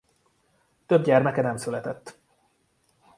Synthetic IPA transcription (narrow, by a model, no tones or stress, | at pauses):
t̪øb̚ɟɛrmɛkɛnɛmsylɛt̪ɛt̪ː